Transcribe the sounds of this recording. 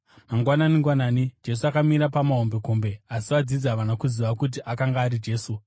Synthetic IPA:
maŋɡwananiŋɡwanaːnid͡ʒe̞s̬uakamiɾapamaɦombe̞kombe̞asiʋad͡zid͡zaʋanakuziʋakut̬iʔakaŋɡaːɾid͡ʒe̞ːsu

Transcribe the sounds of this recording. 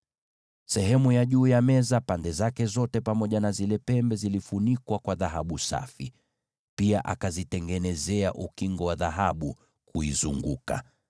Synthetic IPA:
sɛɦɛmujaʄuːjamɛzapandɛzakɛzɔtɛpamɔʄanazilɛpɛmbɛzilifunikwakwaðaɦaɓusa̰fi | piaʔa̰kazitɛŋɡɛnɛzɛaʔukiŋɡɔwaðaɦaɓu | kʰuizuŋɡuka̰

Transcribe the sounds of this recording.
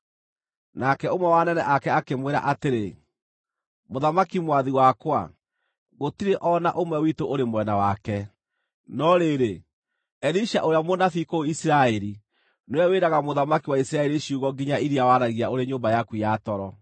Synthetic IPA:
nakɛomwɛwanɛnɛʔakɛakemweɾa̰ʔateɾe | moðamakimwaðiwakwa̰ | ɣotiɾeʔɔna̰ʔomwɛwitoʔoɾemwɛnawakɛ | nɔɾeɾe | ɛɾiʃaʔoɾejamonafikoisiɾaɛɾi | noɛweɾaɣamoðamakiwaisiɾaɛɾiʃiuɣɔɡiɲaiɾiawaɾaɣiaoɾeɲoːmbajakujatɔɾɔ

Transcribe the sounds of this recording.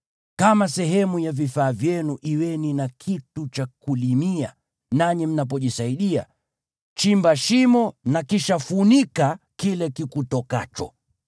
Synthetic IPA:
kamasɛɦɛmujavifaːvjɛnuʔiwɛninakʰitut͡ʃakulimia | naɲim̩nap̬ɔʄisaiɗia̰ | t͡ʃimbaʃimɔnakiʃafunika | kilɛkikutɔka̰t͡ʃɔ̰

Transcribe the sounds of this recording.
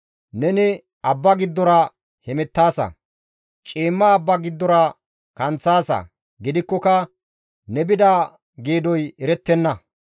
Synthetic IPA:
nɛnɪ | ɐbːɐɡɪd̪ːɔɾɐ | hɛmɛt̪ːaːsɐ̰ | t͡ʃʼiːmːɐːbːɐɡɪd̪ːɔɾɐ | kɐnt͡sːaːsɐ̰ | ɡɪd̪ɪkːɔkɐ | nɛbɪd̪aː | ɡeːd̪ɔjɛɾɛt̪ːɛnːɐ

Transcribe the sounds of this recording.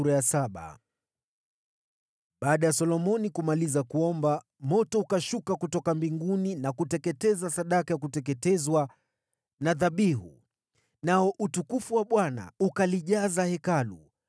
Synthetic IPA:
uɾajasaɓa̰ | ɓaːɗajasɔlɔmɔnikumalizakuɔmba | mɔtɔukaʃukakutɔkambiŋɡuninakutɛkɛtɛzasaɗakajakutɛkɛtɛzwa | naðaɓiɦṵ | naɔʔutukufuwaɓwana̰ukaliʄazahɛkalṵ

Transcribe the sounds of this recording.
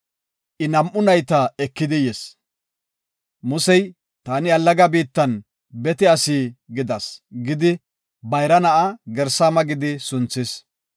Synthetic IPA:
ʔɪnɐmʔːʊnɐjt̪ɐɛkːɪd̪ɪjɛs | mʊsɛj | t̪aːnɪɐlːɐɡabiːt̪ːɐn | bɛt̪ɛɐsiːɡɪd̪ɐsɡɪd̪ɪ | bɐjɾɐnɐʔɐɡɛɾsaːmɐɡɪd̪ɪsʊnt͡sːɪs

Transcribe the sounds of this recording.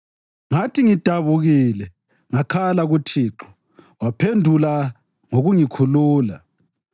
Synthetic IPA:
ŋatʰiŋid̥ʱaβuɣilɛ | ŋakʰalaɣutʰiːǁʰɔ̥ | wapʰendʱula | ŋoɣuŋikʰuluːla

